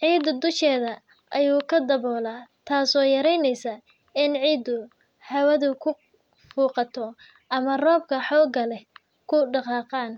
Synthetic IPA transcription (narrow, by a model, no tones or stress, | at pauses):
ʕiːd̪ʊd̪ʊʃɛːðɐ | ʔɐjuːkʰɐd̪ɐβɔːlaːt̪ʰaːsɔːjɐɾɛjnɛjsa | ɪnʕiːd̪ʊ | ħɐwɐðʊkʰʊ | fuːqɑt̪ʰɔ | ʔɐmɐrɔːb̚kʰɐħɔːlɡɐlɛ | kʰʊɖɑqɑːqɑːn